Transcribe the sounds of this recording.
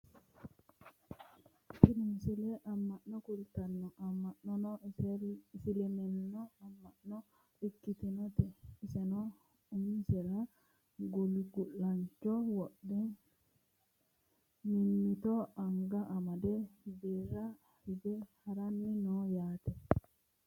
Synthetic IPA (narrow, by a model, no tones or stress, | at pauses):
tiɗunsilɛʔamːaʔnːɔkult̪anːɔʔamːaʔnɔnɔtɛsilɛmɛnːɔamːanɔ | ikːit̪inɔt̪ɛisɛnɔ | umsɛla | ɡoliɡulːaɲt͡ʃɔwɔɗːɛ | niit̪ɔaŋɡaʔamadɛbɛɾa | hibɛhaɾanːinɔjaːt̪ɛ